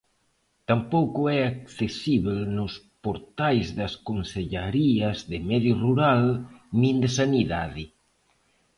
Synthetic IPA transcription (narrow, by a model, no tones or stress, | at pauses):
t̪ampowkʊɛakθesiβelnʊspoɾt̪ajzðɐskonseʎaɾiɐzðɪmɛðjoruɾalnĩnd̪esaniðaðɪ